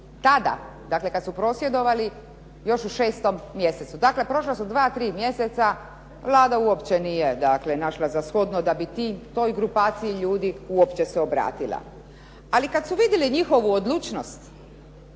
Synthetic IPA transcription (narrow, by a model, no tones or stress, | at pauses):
t̪ad̪a̰ | d̪akle̞kad̪supɾo̞ːsjed̪o̞ʋali | jo̞ʃuʃeːst̪o̞mːje̞se̞t̪sud̪akle̞pɾo̞ʃlasud̪ʋaːt̪ɾiːmje̞set̪sa | ʋlaːd̪auopt͡ɕenijed̪akle̞naʃlazasxod̪nod̪abit̪it̪o̞jɡɾupaːt̪sijiʎuːd̪iuopt͡ɕeseobɾa̰ːt̪ilˠa̰ | alikad̪suʋid̪jeliɲixo̞ʋuod̪lˠuːt͡ʃnost̪